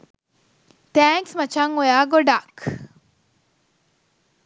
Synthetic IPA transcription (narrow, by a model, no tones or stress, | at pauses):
t̪æːŋksmɐt͡ʃaŋojaːɡoɖaːk